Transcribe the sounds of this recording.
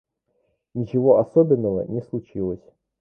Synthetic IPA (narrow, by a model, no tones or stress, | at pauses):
nʲit͡ɕɪvoɐsɔbʲɪnːəvə̰nʲɛslˠut͡ɕilˠəsʲ